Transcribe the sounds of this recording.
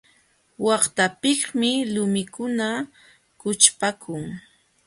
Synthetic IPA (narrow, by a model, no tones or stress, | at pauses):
wɑχt̪apɪχmɪlʊmɪkʊna | kʊt͡ʃpakʰʊŋ